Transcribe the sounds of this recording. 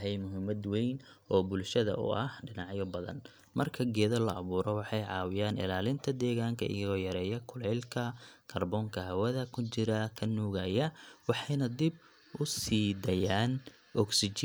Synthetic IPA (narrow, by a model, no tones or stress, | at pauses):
ɦɛjmʊɦɪmɐd̪wɛjn | ʔɔːbʊlʃɐðɐ̰ʊ̰ʔɐhɖɪnɑʕjɔbɐðɐ̰n | mɐrkʰɐɡɛːðɐlɐʔɐβuːɾɔwɑħɑjʕɑːwɪjaːnɪ̰laːlɪnt̪ʰɐd̪ɛːɣaːŋkʰɐʔɪ̰jɐɣɔːjɐɾɛːjɐkʰʊlɛjlkʰɐkʰɐrbɔːŋkʰɐɦɐwɐðɐkʰʊt͡ʃɪɾɐkʰɐnuːɣɐjɐwɑħɑjnɐd̪ɪb | ʊsiːd̪ɐjaːn | ʔɔɡsɪt͡ʃː